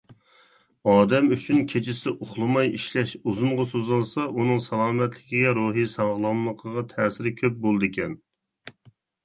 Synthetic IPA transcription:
ɑːd̪ɛmyt͡ʃʰynkʲʰet͡ʃʰɪsɪʔoχlˠɨmɑjiʃlɛʃuzuɴʁɑsozɨlˠsɑʔunɨŋsɛlˠɑːmɛt̪lɪkʲiɡʲɛɾoɦisɑʁlˠɑmlˠəqʰəʁɑt̪ʰɛːsɪɾɪkʲʰøp̚bolˠd̪ɨkʲʰɛn

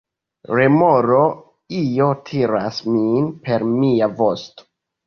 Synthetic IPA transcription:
ɾemoɾo̞ | ijo̞tʰiɾasminpe̞ɾmiavo̞sto̥

